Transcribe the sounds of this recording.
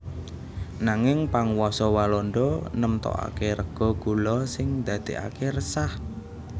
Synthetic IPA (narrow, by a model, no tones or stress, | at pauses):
naŋɪŋpaŋwɔsɔwalɔnɖɔnəmt̪ɔ̰ʔa̰keɾəɡ̥ɔ̤ɡ̥ulɔsɪŋd̪̥ä̤d̪̥e̤a̰keɾəsah